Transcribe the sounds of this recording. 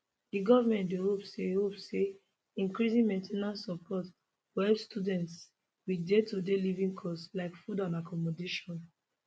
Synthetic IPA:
diɡɔvamɛ̃ntdehopsehopse | ĩŋkɹizĩnmɛ̃ntʰenasːɔpʰɔt | wiɛpstudɛ̃nts | widetodelivĩŋkʰɔslaɪkfudãnakʰɔmɔdeʃɔ̃n

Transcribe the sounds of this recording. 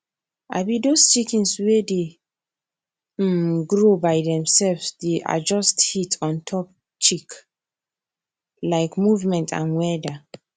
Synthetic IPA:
a̰bidost͡ʃikĩnswede | ɡɹobaɪdɛ̃msɛlvsdeʔa̰d͡ʒɔsthitʰɔ̃ntʰɔp̚ | t͡ʃik | laɪkmuvmɛ̃ntʰã̰nwɛda

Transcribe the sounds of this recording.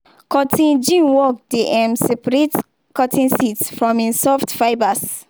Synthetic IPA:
kɔtʰĩnd͡ʒĩnwɔk̚deʔɛ̃msɛpaɹet | kɔtʰĩnsitsfɹɔ̃mĩnsɔftfaɪbas

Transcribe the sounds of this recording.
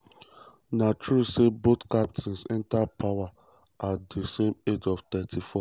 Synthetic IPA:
natɹusebotkap̚tʰĩnsɛ̃ntapʰawa | atdesemed͡ʒɔft̪ɛtʰifɔ

